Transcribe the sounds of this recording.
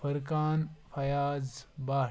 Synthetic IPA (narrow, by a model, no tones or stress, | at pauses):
fɐɾkaːnfʰɐjaːd͡zbaː